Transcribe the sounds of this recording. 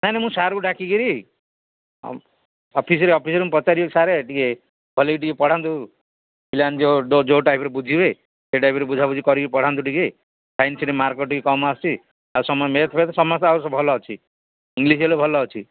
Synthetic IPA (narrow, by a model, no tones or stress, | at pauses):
nanemũsaɾuɖakikiɾi | ɔpʰisɔɾeɔpʰisɔɾem̃pɔt͡ʃaɾiɔksaɾeʈike | bʱɔlekiʈ̬ikepɔɽ̤ant̪u | piland͡ʒoɖod͡ʒoʈajpʰɾebud͡ʒʱibe | seʈajpɾebud͡ʒʱabud͡ʒikɔɾikiipɔɽ̤ant̪̬uʈike | sʰajnsiʈemaɾkɔʈikekɔmast͡ʃʰi | ausɔmɔmeɾt̪ʰɔpʰet̪ɔsɔmɔst̪asɔbʱɔlɔt͡ʃʰi | ĩŋɡliselobʱɔlɔt͡ʃʰi